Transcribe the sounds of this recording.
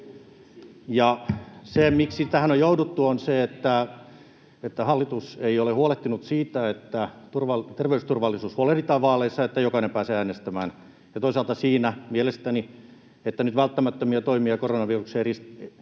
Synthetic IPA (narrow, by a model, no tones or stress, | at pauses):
jɑsemiksit̪æhænojjoudut̪ːuonseet̪ːæ | et̪ːæhɑlːit̪useiolehuoleht̪inut̪siːt̪æet̪ːæt̪urʋɑlt̪erʋeyst̪urʋɑlːˑisuːshuolehlit̪ɑːʋʋɑːlˑeisːɑet̪ːæjokɑnempæːseːæːnest̪æmæːn | jɑt̪oisɑːˑlt̪ɑsiːnæmielest̪æni | et̪ːænyt̪ʋælt̪ːæmæt̪ːømiɑt̪oimiɑkoronɑʋirukseris